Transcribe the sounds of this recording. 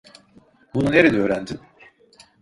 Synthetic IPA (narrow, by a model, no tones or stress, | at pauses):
bununeɾed̪ɛøːɾænd̪in